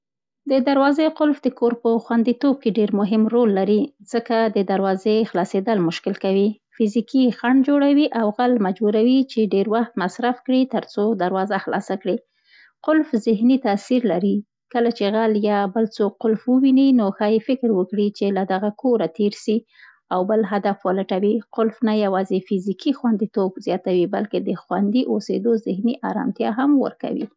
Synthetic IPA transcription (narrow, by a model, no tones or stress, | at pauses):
d̪əd̪aɾwɑzeqʊlfd̪əkoɾpəxwand̪it̪ob̚keɖeɾmʊɦɪmɾolːaɾiz̥əkad̪əd̪aɾwɑzexlɑsed̪əlmʊʃkɪlkawi | fɪzikixaɳd͡ʒoɽawiʔawɣalmad͡ʒbuɾawit͡ʃeɖeɾwaxt̪masɾafkɽit̪əɾt͡sod̪aɾwɑzaxlɑ̰sakɽi | qʊlfzɪɦnit̪asiɾlaɾi | kəlat͡ʃeɣaljɑbəlt͡sokqːʊlfwəwininoxɑjefɪkɾwəkɽit͡ʃelad̪aɣakʰoɾat̪eɾʃi | awbəlɦad̪afwəlaʈawiqʊlfnajawɑzefɪzikixwand̪it̪obzjɑt̪awibalked̪əxwand̪iʔosḛd̪ozɪhniʔɑɾɑ̰mt̪jɑ̰ɦamwə̰ɾka̰wḭ